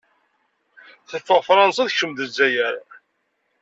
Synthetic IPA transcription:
θəfːəʁfɾˤɑnsɑðçəmðəzːæjəɾ

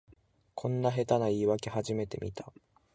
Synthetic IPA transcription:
kʰõ̞nːaɦe̞t̪anaiːβake̞ɦaʑime̞t̪e̞̰mʲit̪ḁ

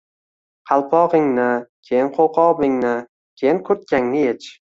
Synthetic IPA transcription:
qʰɑlˠpʰɒʁɪŋnɪkʲʰejɪnqʰowqʰɒbɪŋnɪ | kʲʰejɪnkʰɵɾt̪̚kʲaŋnɪjet͡ʃʰ

